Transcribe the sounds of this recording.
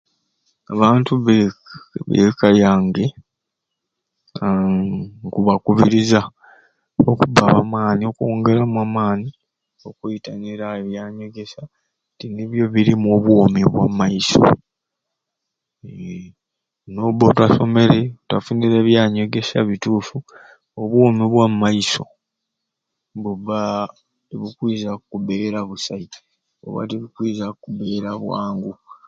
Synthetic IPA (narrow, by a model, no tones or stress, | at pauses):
aβaːntuβeβḛkaljaːŋɡe̞ | kuβakuβiɾiza | okubaβamaːnioko̞ːŋɡe̞lamuaːmaːni | o̞kuitaniɾaeβjaːɲo̞ɡe̞sa | tiniβjo̞βiɾimo̞βwoːmiβwa̰majiso̰ | noβotwaso̞me̞ɾetwafuniɾe̞ːβjaːɲo̞ɡe̞saβituːfu | oβwomiβwammːajiso̞̰ | βuβa | tiβikwiːzakuβe̞ːɾaβusai | o̰βa̰tiβikwiːzakuβe̞ːɾaβwa̰ːŋɡu